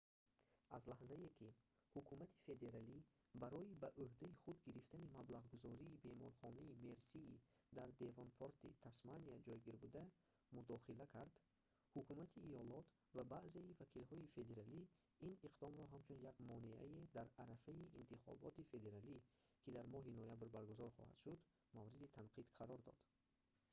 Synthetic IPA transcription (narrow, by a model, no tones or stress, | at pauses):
a̰zlahzaekʲʰi | hukʰumat̪ʰi̥fe̞d̪e̞ɾalibaɾɔibaʔuhd̪aiχud̪ɡiɾift̪animablaʁɡuzɔɾiːbe̞mɔ̰ɾχɔnaime̞ɾsiid̪aɾd̪e̞vɔnpʰoɾt̪ḭt̪ʰasmaniad͡ʒɔjɡiɾbud̪a | mud̪ɔχilækʰaɾd̪ | hukʰumat̪ʰiːjɔlɔt̪ʰ | vabaʔzeivakʰilhɔife̞d̪e̞ɾali | iniqd̪ɔmɾɔɦamt͡ʃʰunjaɡmɔneʔa̰ed̪æɾaɾafaiʔint̪ʰiχɔ̰bɔt̪ife̞d̪e̞ɾalikʲʰid̪aɾmɔɦinojabɾbaɾɡuzɔɾχɔ̰ha̰d̪̥ʃud̪ | mavɾid̪it̪ʰanqʰid̪̥qʰaɾɔɾd̪ɔ̰d̪̥